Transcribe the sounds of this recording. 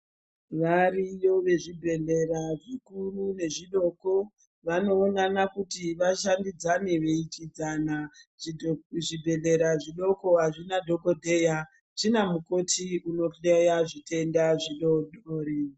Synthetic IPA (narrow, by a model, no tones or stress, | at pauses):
ʋarijo̞ʋe̞ʐibʱe̞ɮe̞raʐikurune̞ʐiɗo̞ko̞ | ʋano̞ːnanakutiʋaʃandid͡zane̞ʋe̞ikid͡zana | ʐibʱe̞ɮe̞ɾaʐiɗo̞ko̞ɦaʐinadʱo̞ko̞dʱe̞ja | t͡ʃinamuko̞tʰiuno̞ejaʐite̞ndaʐiɗo̞ɗoːre